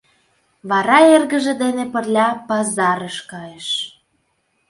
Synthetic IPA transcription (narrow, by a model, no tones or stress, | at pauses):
βɑɾɑerɣə̆ʒĕd̪enepə̆rlʲɑpɑzɑɾəʃkɑjeʃ